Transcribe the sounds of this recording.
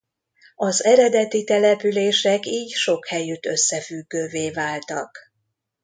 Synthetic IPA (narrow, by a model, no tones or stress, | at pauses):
ɒzɛɾɛd̪ɛt̪it̪ɛlɛpyleːʃɛkiːcʃo̞khɛjyt̪ø̞sːɛfyɡːøːveːvaːlt̪ɒk